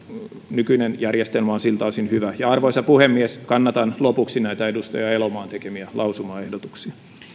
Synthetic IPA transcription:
nykynenjærjest̪elmɑonsilt̪ɑːsinhyʋæjɑɑrʋoisɑpuhemːieskɑnːɑt̪ɑnlopuksinæit̪æedust̪ɑjɑelomɑːnt̪ekemiælʔɑusumɑːehdot̪uksiɑ

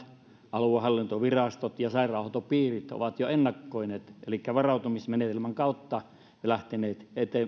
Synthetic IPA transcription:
ʔɑluɑhɑlːint̪oʋirɑst̪ot̪jɑsɑˑirˑɑˑuhot̪opiːrit̪o̰ʋɑt̪joenːɑkːoineːt̪elikːæʋɑrɑut̪umismenet̪elmæŋkɑˑut̪ːɑ | læht̪eneːt̪et̪e

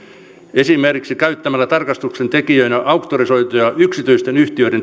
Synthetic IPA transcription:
esimerkiksikæyt̪ːæmælːˑæt̪ɑrkɑst̪uksent̪ekiøinæʔɑukt̪ːorisoit̪ojɑʔyksit̪yist̪enyht̪iøiɾen

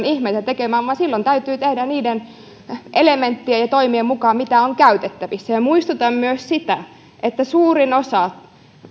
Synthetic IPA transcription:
nihmeit̪æt̪ekemæːʋʋɑnsilːont̪æyt̪yːt̪ehdæniːden | ʔelement̪ːiejɑt̪oimiemmukɑːmit̪æoŋkæyt̪et̪ːæʋisːæjɑmuist̪ut̪ɑmmyøssit̪æ | ʔet̪ːæsuːrinosɑ

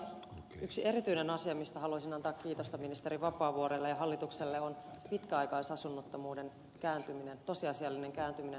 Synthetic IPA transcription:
yksie̞ɾit̪yinenɑsiɑmist̪æɦɑluɑsinɑnt̪ɑːkkiːt̪ost̪ɑminist̪eɾiʋɑpɑːʋuoɾelːejɑɦɑlːit̪ukselːeonpit̪kæɑjkɑisɑsunːot̪ːomuːde̞n | kæːnt̪yminent̪o̞siɑsiɑlːine̞ŋkæːnt̪ymine

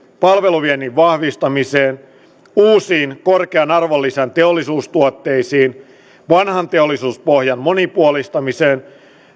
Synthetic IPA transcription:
pɑlʋe̞luʋieniʋʋɑhʋist̪ɑmiseːn | uːsiːnkorkeɑnɑrʋolːisent̪eolːisuːst̪uot̪ːe̞isiːn | ʋɑnhɑnt̪eolːisuːspohjɑnmo̞nipuolist̪ɑmiseːn

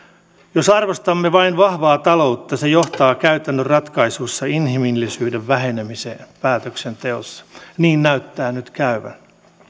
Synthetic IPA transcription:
josɑrʋost̪ɑmːeʋɑinʋɑhʋɑːt̪ɑlo̞ut̪ːɑsejo̞ht̪ɑːkæyt̪ænːørrɑt̪kɑisusːɑinɦimilːisyːdeʋʋæɦenemisḛːpæːt̪øksent̪e̞o̰sːɑ̥niːnnæyt̪ːæːnyt̪kæyʋæ̰n

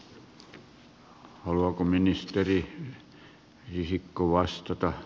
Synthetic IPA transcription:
hɑluɑkominist̪eri | risikːoʋɑst̪ɑt̪ɑ

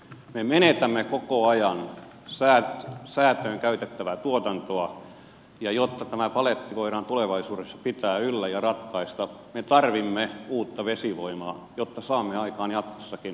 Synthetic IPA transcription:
memenet̪æmːekokoɑjɑn | sæːt̪sæːt̪øːŋkæyt̪et̪ːæʋæt̪uot̪ɑnt̪oɑ | jɑjot̪ːɑt̪æmæpɑlet̪ːikoiɾɑnt̪uleʋɑisuːɾesːɑ̥pit̪æːylːæjɑrɑt̪kɑist̪ɑmet̪ɑrʋimːeuːt̪ːɑʋesiʋoimɑː | jot̪ːɑsɑːmːeɑikɑːnjɑt̪ko̥sːɑkin

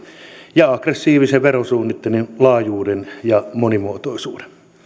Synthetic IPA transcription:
jɑɑkresːiːʋiseʋʋerosuːnːit̪ːeninlɑːjuːdenjɑmonimuot̪oisuːde̥n

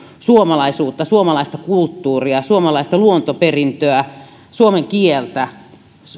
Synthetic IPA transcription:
suomɑlɑisuːt̪ːɑsuomɑlɑist̪ɑkult̪ːuːriɑsuomɑlɑist̪ɑluont̪operint̪øæ | suomeŋkielt̪æ

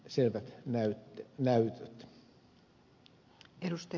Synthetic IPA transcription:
selʋæt̪næyt̪ːnæyt̪øt̪ | eɾust̪ɑ

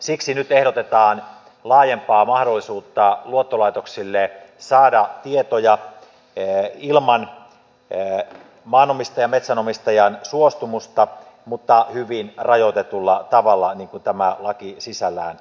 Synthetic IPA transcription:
siksinyt̪ehɾot̪et̪ɑːn | lɑːjempɑːmɑhdolːisuːt̪ːɑluot̪ːolɑit̪oksilːesɑːdɑt̪iet̪ojɑ | ilmɑn | mɑːnomist̪ɑjɑmet̪sænomist̪ɑjɑnsuost̪umust̪ɑ | mut̪ːɑhyʋinrɑjot̪et̪ulːɑt̪ɑʋɑlːɑniːŋkunt̪æmælɑkisisælːˑæ̰ːn

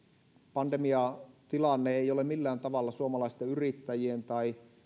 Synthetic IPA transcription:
pɑndemiɑt̪ilɑnːeeijolemilːæːnt̪ɑʋɑlːɑsuomɑlɑist̪eyrit̪ːæjient̪ɑi

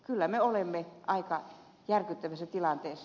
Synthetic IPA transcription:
kylːæmeolemːeʔɑikɑ | jærkyt̪ːæʋæsːæt̪ilɑnt̪eːsː

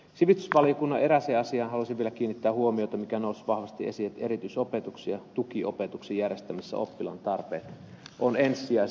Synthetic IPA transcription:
siʋist̪ysʋɑlijokunːɑʔe̞ɾæseːɑsiɑːnhɑlusiʋʋielækiːnːit̪ːæːhuomiot̪ɑmikænoˑusʋɑhʋɑst̪iʔesiet̪eɾit̪yisopet̪uksiɑt̪ukio̰pet̪uksijjærjest̪æmisːæ̰o̰pːilɑ̰nt̪ɑrpḛːt̪ | ʔonensːiɑ

